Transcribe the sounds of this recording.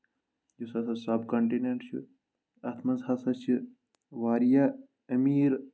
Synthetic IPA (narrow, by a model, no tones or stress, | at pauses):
d͡ʒusɐsɐsɐbkɐɳʈineɳʈt͡ʃʰṵ | ɐt̪ʰmɐzhɐsɐt͡ʃʰi | ʋaːɾja | ɐmiːɾ